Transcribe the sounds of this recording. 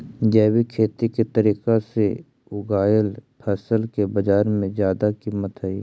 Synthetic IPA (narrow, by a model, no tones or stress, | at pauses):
d͡ʒɛːwikʰeːt̪iket̪əɾiːkase | ʊɡaːjəlpʰɛːsəlkebəd͡ʒaːɾmẽzjaːd̪akiːmət̪ɦəiː